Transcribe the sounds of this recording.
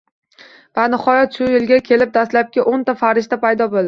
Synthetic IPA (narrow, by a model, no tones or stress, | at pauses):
vanɪχɒjɒt̪ʃʊjɪlɡʲakʲʰe̞lɪp̚d̪aslap̚kʲɪʔont̪afaɾɪʃt̪apajd̪ɒbolˠd̪ɪ